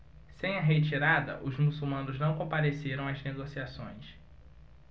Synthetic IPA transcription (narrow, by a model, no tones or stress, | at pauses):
sẽj̃ɐɦet͡ʃiɾad̪ɐ̰ʔʊzmusuwmɐ̃nʊznɐ̃w̃kõpad̪eseɾɐ̃w̃ɐzneɡosiasõ̰j̃s